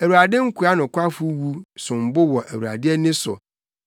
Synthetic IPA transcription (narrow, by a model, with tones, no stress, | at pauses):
æ˨wu˨ɾa˨dɪ̃˦ŋ̩˦kʰu˨a˦nʊ̃˨kʷa˦fu˦wu˦sʊ̃˨m̩˨bʊ˦wɔ˨ʔæ˨wu˨a̰˨dɪ˦ɛ˦nɪ̃˦sʊ̰˨